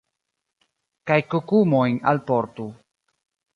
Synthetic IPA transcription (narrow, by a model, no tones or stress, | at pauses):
kajkukumojna̰lpoɾtu